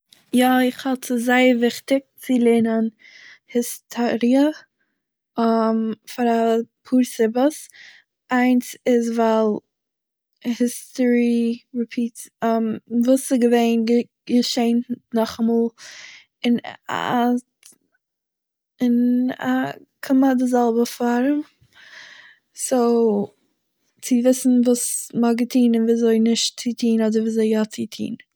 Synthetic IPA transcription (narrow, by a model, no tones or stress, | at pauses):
jɔɪχhɔtɪzaɪəɾvɪχtɪk̚t͡sɪlˠenən | hɪstʰɔɾiə | mfaɾapʰuːɾsɪbəs | aɪnsɪzvalˠ | hɪstɔɹiɹipʰiːtəmvuːsɪɡəveɪnɡə | ɡəʃeɪntnɔχamɔːlˠ | ɪna̰ | ɪna̰ | kʰɪmadɪzɛlˠbəfaɾəm | soʊ | t͡sɪvɪsn̩vuːsmaɡətʰiːnɪnviːzoɪnɪʃtt͡sitʰiːnɔdəɾviːzeɪɡɔt͡sitʰḭːn